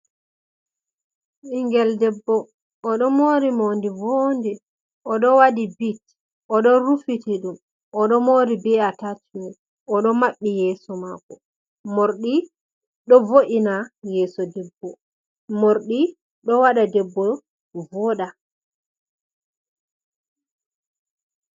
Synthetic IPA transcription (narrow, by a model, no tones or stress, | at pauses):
ʔiŋɡɛldɛbːɔ | ʔːɗɔmoːɾimondivondɛ | ʔɔɗɔwadibit | ʔɔɗɔɾufitɛɗum | ʔɔɗɔmoːɾibɛatatium | ɔɗɔmaɓːijɛːsɔmakɔ | moɾɗi | ɗɔvoʔinajɛːsɔdɛbːɔ | moɾɗi | ɗɔwaɗadɛbːɔ | vɔɗa